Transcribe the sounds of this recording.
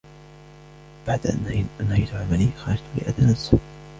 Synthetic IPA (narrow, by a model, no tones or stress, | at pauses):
b̥aʕd̪ʔa̰nanhajt̪ʊʕamaliːxɑɾˤɑd͡ʒt̪ʊlɪ̰ʔad̪anas